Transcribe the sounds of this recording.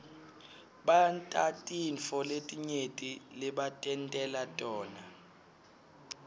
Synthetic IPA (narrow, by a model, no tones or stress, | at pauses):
ɓantʼatʼinfɔletʼiɲetʼilɛɓatʼɛntʼɛlatʼɔːna